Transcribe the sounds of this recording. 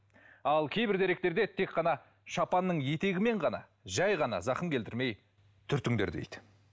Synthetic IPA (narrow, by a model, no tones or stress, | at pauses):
ɑlˠkʲʰe̞jbɪɾd̪eɾek̚t̪e̞ɾd̪e̞t̪ʰe̞k̚qːɑnɑ | ʃɑpɑnːəɴje̞t̪e̞ɡʲɪme̞ɴʁɑnɑ̰ | ʒɑjʁɑnɑ̰zɑqənkʰʲe̞lt̪ʰɪɾme̞j | t̪ʰʏɾt̪ɪŋd̪e̞ɾd̪ḛjd̪ɪ